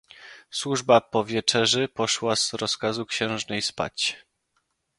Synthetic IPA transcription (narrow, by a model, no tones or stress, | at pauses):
swuʐbapɔvʲjɛt͡ʂɛʐɘpɔʂwaz̥ɾɔskazukɕɛ̃w̃ʐnɛjspa̰t͡ɕ